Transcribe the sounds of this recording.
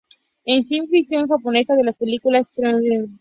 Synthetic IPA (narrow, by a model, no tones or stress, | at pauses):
ensimfɾik̚t̪joŋxapone̞saðelaspe̞likulast̪ɾanlen